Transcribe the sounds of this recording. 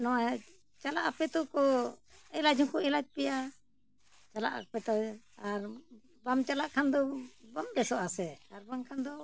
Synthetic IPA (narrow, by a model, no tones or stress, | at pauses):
nɔwa | t͡ʃalaʔapɛt̪ɔkɔɛlad͡ʒɔŋkɔɛlat̚pɛja | t͡ʃala̰ʔapɛt̪ɔ | aɾ | bamt͡ʃalaʔkʰand̪ɔbamɾɛsɔʔasɛaɾbaŋkʰand̪ɔ